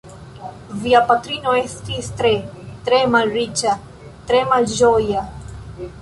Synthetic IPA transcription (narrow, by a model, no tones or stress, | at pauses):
viapat̪ɾinoest̪ist̪ɾet̪ɾemalrit͡ʃa | t̪ɾemalʒɔja